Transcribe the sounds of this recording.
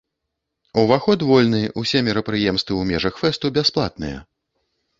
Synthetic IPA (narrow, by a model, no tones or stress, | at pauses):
uvaxɔt̪vɔlʲnɨʔusʲɛmʲɛɾɐpɾɨjɛmst̪vɨwmʲɛʐɐxfɛst̪ubʲasplˠa̰t̪̚nɨ̰jɛ̰